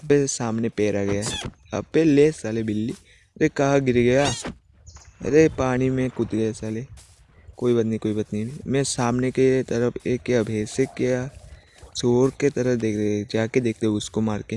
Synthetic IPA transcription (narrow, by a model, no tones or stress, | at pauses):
ɐpesaːmnepeːɾaɡɐja | ɐ̰peleːsaːlebɪlːi | ɾekɐɦaɡɪɾɡɐja | ɐ̰ɾepaːɽ̃imẽkʊt̪ɡesaːle | koːibɐt̪neikoːibat̪neibʱimɛ̃saːmneket̪ɐɾəpʰeːkeɐbʱeːsekja | soːɾket̪ɐɾəpd̪eːkʰɾed͡ʒaːked̪eːk̚t̪eɦʊskomaːɾke